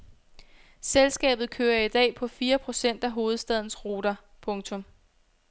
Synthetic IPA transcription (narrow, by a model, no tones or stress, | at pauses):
selsɡ̥ɛ̰ːb̥ð̞̩ˠkʰøːɐid̥ɛ̰ːpʰɒ̽fiːɐpʰʁo̝sen̰d̥æɦo̝ːð̞̩ˠsd̥ɛð̞̰ˠn̩sʁo̝ːɾ̥ɐ | pʰɔ̽ŋt͡sʰɔ̽m